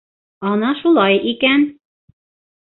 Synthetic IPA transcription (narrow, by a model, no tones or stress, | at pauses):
ɒnɑʃulˠɑjʔikæn